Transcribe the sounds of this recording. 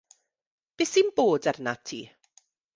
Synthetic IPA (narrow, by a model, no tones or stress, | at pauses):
b̥ɪsinboːdɛrnatʰḭː